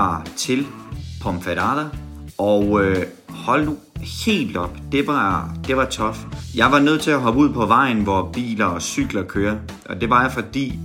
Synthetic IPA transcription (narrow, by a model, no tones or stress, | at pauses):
ɑ̰t͡sʰe̝lpʰɒmfeɾɑðˠɐɒʊø | hɒ̽lno | he̝̰ːld̥ɒ̽b̥d̥e̝ʋɑd̥e̝ʋɑ̈t͡sʰɒ̽fjɑ̈ɪʋɑ̈nøð̞̰ˠt͡sʰe̝æɦɒ̽b̥uð̞̰ˠpʰɒ̽ʋɑ̈ɪn̩ʋɒb̥ḭːlɐɒsyɡ̥lɐkʰøːɐ | ʔɒ̽d̥e̝ʋɑ̈jɑfɒ̽d̥ḭː